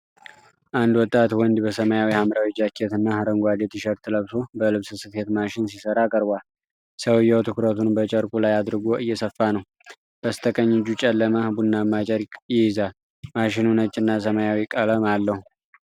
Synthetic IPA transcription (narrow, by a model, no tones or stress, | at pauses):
ʔand̪wɔt̪ʼːat̪wɔnd̪bəsəməjawihamɾawid͡ʒakʰːet̪ɨnːahɨɾəŋɡʷad̪et̪ɪʃəɾt̪ʰɨləβso̞bəlɨβsɨsɨt̪het̪maʃɪnsisəɾakʼəɾbal | səwjːɛwt̪ʰɨkɾət̪ʰunbət͡ʃʼəɾkʼulajad̪ɾɨɡoʔɨjːɛsəfːanəw | b̥əst̪ʰəkʼəɲːɪd͡ʒut͡ʃʼɛlːəməbunːamat͡ʃʼəɾjɪjɪzal | maʃɪnunət͡ʃʼːɨnːasəməjawikʼələmalːəhu